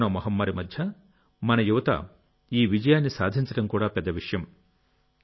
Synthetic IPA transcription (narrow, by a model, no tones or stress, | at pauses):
nɐːmɐɦɐmːɐɾimɐd̪ʱjɐ | mɐnɐjuʋɐt̪ɐ̰ | iːʋid͡ʒɐjaːnːisaːd̪ʱiɲt͡ʃɐʈɐmkuːɽaːpɛd̪ːɐʋiʂɐjɐm